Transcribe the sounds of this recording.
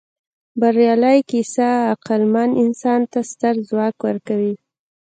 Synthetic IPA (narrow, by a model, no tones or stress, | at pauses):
baɾjɑləjkisaːqalmanɪnsɑnt̪ast̪əɾzwɑkwəɾkawi